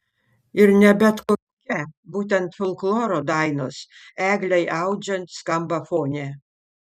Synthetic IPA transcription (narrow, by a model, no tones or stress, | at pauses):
ɪɾnʲɛbʲɛt̪koːkʲːkʲɛbuːt̪ʲɛnt̪fʲolˠklˠoːɾoːd̪ɑɪnoːsæːɡlʲɛɪʔɐʊd͡ʒʲɛnt̪skɐmbɐfoːnʲɛː